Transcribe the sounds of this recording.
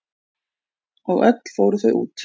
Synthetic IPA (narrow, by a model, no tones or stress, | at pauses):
ɔɣœ̰t̪l̥foːwɾʏθœɥʔṵːt̪